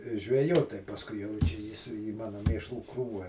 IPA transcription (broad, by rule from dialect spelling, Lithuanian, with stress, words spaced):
ʒʲʋʲɛˈjoːt pɐsˈkʊɪ jɛʊ ˈt͡ʃʲɛ ˈjɪs iː ˈmɑːnoː ˈmʲeːʃlˠuː ˈkruːʋɐ